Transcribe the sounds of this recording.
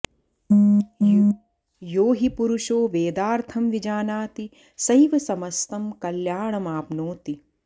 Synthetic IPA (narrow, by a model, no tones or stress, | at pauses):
joːɦipuɾuʃoːʋeːd̪aːɾt̪ʰɐmʋid͡ʒaːnaːt̪i | sɐjʋɐsɐmɐst̪ɐmkɐljaːɳɐmaːpnoːt̪i